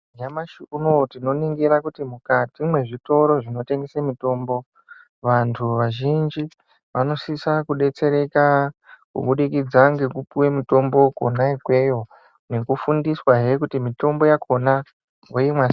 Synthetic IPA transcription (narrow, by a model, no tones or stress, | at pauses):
ɲamaʃiunotino̞niŋɡiɾakutimukatimwe̞ʐito̞ɾo̞ʐino̞te̞ŋɡesemito̞ːmbo̞ | ʋantʰuʋaʒind͡ʒi | ʋano̞sisakuɗe̞t͡se̞ɾe̞kakṵɓuɗikid͡zaŋɡe̞kupuwemito̞mbo̞ko̰naikwe̞jo̞ | ne̞kufundiswaɦekutimito̞mbo̞jakʰo̞na | oimwas